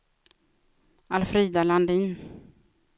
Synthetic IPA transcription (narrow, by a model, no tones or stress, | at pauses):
alfɾiːd̪aland̪iːn